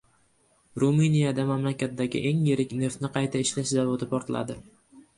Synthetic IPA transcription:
ɾumɨnijad̪amamlakʲat̪̚d̪aɡʲɪ̰ʔe̞ŋjeɾɪkʲne̞ɾt̪nɪqʰɑjt̪ʰaɪʃlaʃzavot̪ʰɪpɒɾt̪ʰla̰d̪ɪ

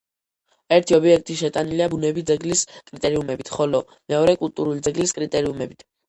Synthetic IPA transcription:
ɛɾt̪ʰiɔbiɛk̚ʰt̪ʼiʃɛt̪ʼaniliabunɛbid̪zɛɡliskʼɾit̪ʼɛɾiumɛbit̪ʰχɔlɔ | mɛɔɾɛkʼulˠt̪ʼuɾulid̪zɛɡliskʼɾit̪ʼɛɾiumɛbit̪ʰ

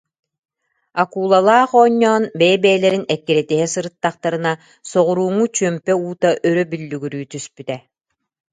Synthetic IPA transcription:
akuːlˠalˠaːχɔːɲːɔːnbɛjɛbɛːlɛɾinɛkːiɾɛt̪iɦɛsɯɾɯt̪ːaχt̪aɾɯna | sɔʁuɾuːŋut͡ɕyœmpɛuːt̪aʔœɾœbylːyɡyɾyːt̪yspyt̪ɛ

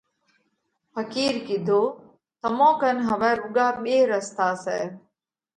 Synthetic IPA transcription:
pʰəkiːɾkɪd̪ʱoː | t̪əmõːkənɦəʋɛ̃ːɾʊɡaːɓeːɾəst̪aːsɛ̰ː

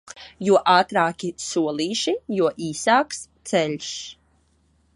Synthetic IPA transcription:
juɔʔaːt̪ɾaːkʲisuɔlˠiːʃijuɔʔiːsaːkst̪sɛʎʲs

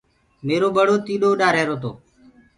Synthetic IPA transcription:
meːɾoːɓəɽoːt̪iːɗoːɗaːɾeːɾoːt̪̬o̰ː

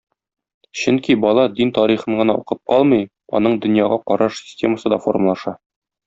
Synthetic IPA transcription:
ɕɵŋkibɒlˠɑd̪int̪ɒɾiχɤɴɢɤ̆nɑṵqɤp̚qɒlˠmɤj | ɒ̰n̪ɤɴd̪ɵ̆njɑʁɑqɒɾɑʃsʲɪ̥sʲtʲe̞məsɤd̪ɒfo̞rməlˠɑʃɑ

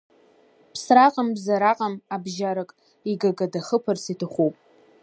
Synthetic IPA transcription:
pʰsraqʼambzaɾaqʼamabʒaɾɨkʼ | iɡaɡadaχəpʰarsitʰɨχʷuwpʼ

